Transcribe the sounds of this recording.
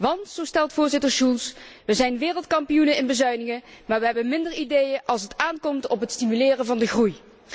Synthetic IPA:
ʋɑntsowstɛlˠtfʊːɹzɪtəɹʃulˠsʋəzɛjnʋɪːrəlˠtkɑmpijunəɪnbəzœɥnɪŋəmaːɹʋəɦɛbənmɪndəɹidejənʔɑlˠsətaːnkɔmtɔpɦətstimylɪːrəvɑndəχruj

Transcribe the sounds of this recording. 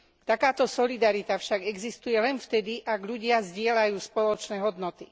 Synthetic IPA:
t̪akaːt̪ɔsɔlid̪aɾit̪afʃaɡɛɡzist̪ujɛlɛnft̪ɛd̪iʔaɡʎuɟɪazɟɪɛlajuːspɔlɔt͡ʃnɛːɦɔd̪nɔt̪i

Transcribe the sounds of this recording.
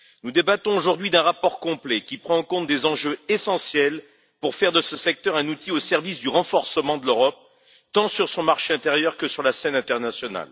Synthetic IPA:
nud̪ebat̪ɔ̃oʒuʁd̪ɥid̪ɛ̃ʁapɔʁkɔ̃plɛkʲipχɑ̃ɑ̃kɔ̃t̪̚d̪ezɑ̃ʒøesɑ̃sjɛl | puʁfɛʁd̪əsəsɛk̚t̪œʁɛ̃nut̪iosɛʁvisd̪yʁɑ̃fɔʁsəmɑ̃d̪əløʁɔp̚ | t̪ɑ̃syʁsɔ̃maʁʃeɛ̃t̪eʁjœʁkəsyʁlasɛnɛ̃t̪ɛʁnasjɔna̰l

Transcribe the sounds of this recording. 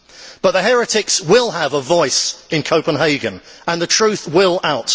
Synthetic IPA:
b̥ʌʔ̪̚ðəɦhɛɹɪtɪkswɪlˠəvəvɔɪsɪ̃nkʰəʊpə̃nɦeɪɡə̃nə̃nðətʰɹ̥ʉˑθwɪlˠaʊt

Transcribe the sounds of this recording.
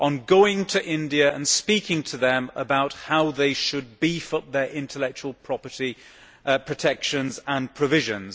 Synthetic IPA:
ʔə̃nɡoʊɪ̃ŋtʰɨʔɪ̃ndiɨə̃nspiˑkɪ̃ŋtʰəðə̃mə̰baʊt̚haʊðeɪʃɨd̚bifʌp̚ðə˞ʔɪ̃ntʰəlɛk̚t͡ʃuəl̩ˠpʰɹ̥ɒpəti | pʰɹ̥ətʰɛkʃə̃nzə̃npʰɹ̥əvɪʒɨ̃nz̥

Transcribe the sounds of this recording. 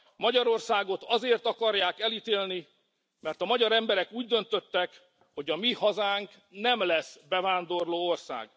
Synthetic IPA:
mɒɟɒɾo̞rsaːɡo̞t̪ɒzeːrt̪ɒkɒrjaːkɛlit̪eːlni | mɛrt̪ɒmɒɟɒɾɛmbɛɾɛkuːɟd̪ø̞nt̪ø̞t̪ːɛk | ho̞ɟɒmihɒzaːŋk | nɛmlɛsbɛvaːnd̪o̞rloːorsa̰ːɡ

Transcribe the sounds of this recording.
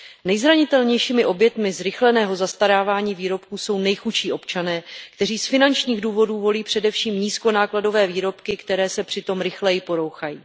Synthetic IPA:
nɛjzɾaɲɪt̪ɛlɲɛjʃiːmɪʔo̞bjɛt̪mɪzɾɪxlɛnɛːɦo̞zast̪aɾaːvaːɲiːviːɾo̞pkuso̞wnɛjxut͡ʃiːʔo̞pt͡ʃanɛːkt̪ɛr̝iːsfɪnant͡ʃɲiːɣduːvo̞duːvo̞liːpr̝̥ɛdɛfʃiːmɲiːsko̞naːklado̞vɛːviːɾo̞pkɪkt̪ɛɾɛːsɛpr̥ɪt̪o̞mɾɪxlɛjɪpo̞ɾo̞wxajḭː

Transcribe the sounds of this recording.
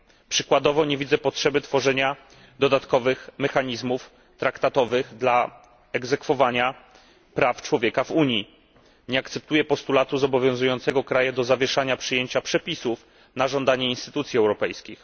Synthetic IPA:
pʂɘkwad̪ɔvɔɲevʲid̪zɛpɔtʂɛbɘt̪fɔʐɛɲa | d̪ɔd̪at̪kɔvɘxmɛxaɲizmuf | t̪ɾakt̪at̪ɔvɘɣd̪la | ɛɡzɛkfɔvaɲa | pɾaft͡ʂwɔvʲjɛkavuɲji | ɲɛakt̪sɛp̚t̪ujɛpɔst̪ulat̪uzɔbɔvʲjɔ̃zujɔ̃nt̪sɛɡɔkɾajɛd̪ɔzavʲjɛʂaɲapʂɘjeɲt͡ɕapʂɛpʲisuf | naʐɔnd̪aɲɛinst̪ɘt̪ut̪sʲjiɛwɾɔpɛjskʲix

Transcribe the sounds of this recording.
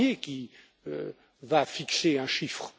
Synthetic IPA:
ekʲi | ø̰ | vafikseɛ̃ʃifχ

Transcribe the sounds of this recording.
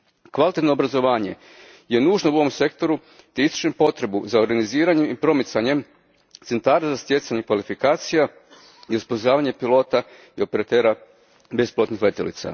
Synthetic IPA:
kʋalit̪et̪nobɾazo̞ʋaːɲe̞̰ | je̞nuːʒno̞uoʋo̞mse̞k̚t̪o̞ɾu | t̪eist̪u̥t͡ʃempo̞t̪ɾe̞buzao̞ɾɡaniziːɾaɲe̞mipɾo̞mit̪saɲe̞m | t̪se̞nt̪aːɾazast̪je̞t̪saɲekʋalifikaːt̪sija | iospozaːʋaɲe̞pilˠo̞ːt̪a | io̞pe̞ɾat̪e̞ːɾa | be̞sploːt̪nixle̞t̪ilḭt̪sa̰

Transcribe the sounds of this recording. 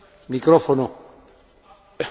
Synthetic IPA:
mikɾɔfono

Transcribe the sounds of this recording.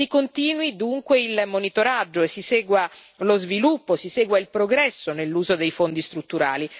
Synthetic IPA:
sikont̪iːnwid̪uŋkweilmonit̪oɾad͡ʒːoesːisɛːɡwalozvilupːosisɛːɡwailpɾoɡɾɛsːonelːuːzod̪ejfond̪ist̪ɾut̪ːuɾaːli

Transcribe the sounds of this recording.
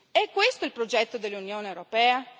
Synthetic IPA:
ɛkːwest̪oilpɾod͡ʒɛt̪ːod̪elːunjoːnewɾopɛːa

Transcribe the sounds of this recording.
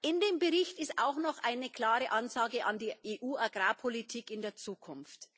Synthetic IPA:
ʔɪndeːmbəʁɪçtɪsta̰ʊxnɔχʔaɪnəkʰl̥aːʁəʔanzaːɡəʔandiːʔeːʔuːaɡʁaːpʰolitʰiːkɪndeːɐt͡suːkʰʊnft

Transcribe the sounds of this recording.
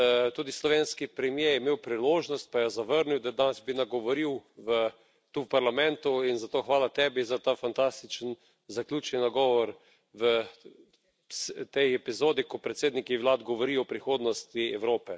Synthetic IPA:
t̪uːd̪islɔʋeːnskipɾɛmjejɛmeːwpɾiloːʒnɔst̪̚pajazaʋəɾniwd̪ad̪anɛzbinaɡɔʋɔɾiwʋə | t̪uwpaɾlamɛ̃nt̪uinzat̪oːxʋaːlat̪ɛːbizat̪afant̪ast̪it͡ʃən | zakljuːt͡ʃninaɡɔːʋɔɾ | ʋə | st̪ɛjɛpizoːd̪ikɔpɾɛt̪seːd̪nikiʋlaːd̪ɡɔʋɔɾiɔpɾixoːd̪nɔst̪iɛwɾoːpɛ

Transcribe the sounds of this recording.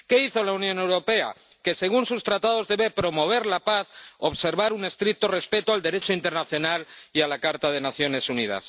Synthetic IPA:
ke̞iθo̞launjone̞wɾo̞pe̞a̰ | ke̞se̞ɣ̞unsust̪ɾat̪að̞o̞zðe̞βe̞pɾo̞mo̞β̞e̞ɾlapaθo̞βse̞ɾβaɾune̞st̪ɾik̚t̪o̞re̞spe̞t̪oald̪e̞ɾe̞t͡ʃo̞int̪e̞ɾnaθjonalialakaɾt̪aðe̞naθjo̞ne̞sunið̞a̰s

